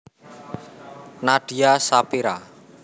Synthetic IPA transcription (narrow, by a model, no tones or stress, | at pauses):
naɖ̥iasapiɾa